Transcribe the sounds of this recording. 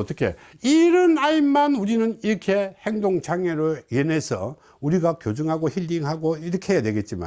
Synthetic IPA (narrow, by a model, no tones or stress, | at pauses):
ʌt͈ʌkʰḛ | iɾɯnaimːanuɾinɯniɾʌkʰe̞heŋdoŋt͡ɕʰaŋeɾoiene̞sʰʌ̰ | uɾiɡakjod͡ʑɯŋɦaɡoçiʎːiŋɦaɡoiɾʌkʰeɦejadwe̞ɡe̞t̚t͡ɕ͈ima̰